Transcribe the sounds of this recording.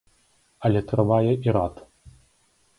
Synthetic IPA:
ɐlʲɛt̪ɾɨvajɛʔiɾat̪

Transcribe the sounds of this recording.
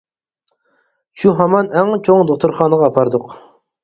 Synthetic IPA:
ʃuɦɑmɑnɛŋt͡ʃʰoŋd̪oq̚t̪ʰʊɾχɑːnəʁɑːpʰɑɾd̪ʊq

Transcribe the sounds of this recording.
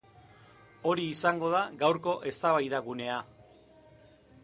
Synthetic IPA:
o̞ɾiːsaŋɡo̞ð̞aɡawɾko̞ʔe̞st̪aβajðaɣune̞a

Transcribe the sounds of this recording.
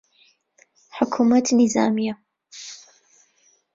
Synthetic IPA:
ħʊkʰumɐt̪ʰniza̰ːmijɐ

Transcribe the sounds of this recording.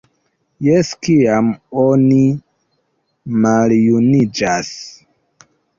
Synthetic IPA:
jeskiamoni | maljunid͡ʒas

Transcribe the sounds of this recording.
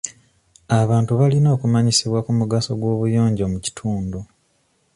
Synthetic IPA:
aβaːntuβalino̞ːkumaɲisiβwakumuɡaso̞ɡwo̞ːβujo̞ːɲɟomuci̥tʰuːndo

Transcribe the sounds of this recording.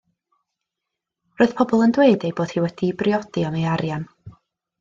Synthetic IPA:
roːɨð̥pʰɔbɔlˠəndweɨdejboːd̥hiːwɛd̥ibrjɔd̥iɔmeaɾjan

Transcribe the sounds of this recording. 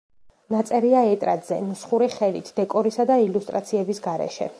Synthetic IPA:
nat̪sʼɛɾiaɛt̪ʼɾa̰d̪zɛ̰nusχuɾiχɛlḭt̪ʰd̪ɛkʼɔɾisad̪ailust̪ʼɾat̪sʰiɛbisɡaɾɛ̰ʃɛ̰

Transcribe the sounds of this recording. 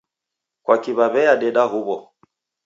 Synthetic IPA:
kwʔakiβaβɛaɗɛɗaɦuβɔ

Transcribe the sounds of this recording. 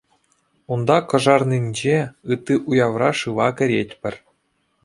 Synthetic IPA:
und̪ɑkɤ̆ʐɑrnʲinʲd͡ʑeɯt̪ːiʔujɑʋrɑʂɯʋɑkʲɘ̆ɾʲetʲpʲɘ̆rʲ

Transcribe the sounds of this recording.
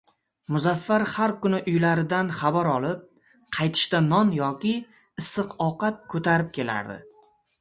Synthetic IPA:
mʊzafːaɾhaɾkʊnɪʔʊjlaɾɪd̪anχɑbaɾɒlˠɪp̚ | qʰɑjt̪ʰɪ̥ʃt̪anɒnjɒkʲɪ | ɪsːɨqɒqat̪̚kʰɵt̪ʰaɾɪp̚kʲʰe̞la̰ɾd̪ɪ̰

